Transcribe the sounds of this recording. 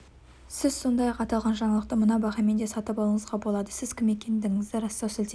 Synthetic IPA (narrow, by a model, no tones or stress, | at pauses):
sɪz̥so̞nd̪ɑjɑqɑt̪ɑlˠʁɑnʒɑɴɑlˠəq̚t̪əmənɑbɑʁɑme̞nd̪e̞sɑt̪əpɑlˠəɴəzʁɑbo̞lˠɑd̪əsɪz̥kʲɪme̞kʲe̞nd̪ɪŋɪzd̪ɪɾɑst̪ɑwsɪlt̪e